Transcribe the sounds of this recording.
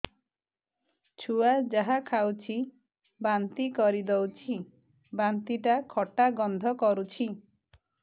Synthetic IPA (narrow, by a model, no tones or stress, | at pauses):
t͡ʃʰuad͡ʒaɦakʰawt͡ʃʰi | bant̪ikɔɾid̪owt͡ʃʰi | bant̪iʈakʰɔʈaɡɔnd̪ʱɔkɔɾut͡ʃʰi